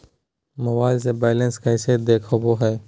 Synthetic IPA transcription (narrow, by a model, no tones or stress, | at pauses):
məʋaːls̬eːbeːlə̃nskaɦɪseːd̪eːkʰoboːɦɛː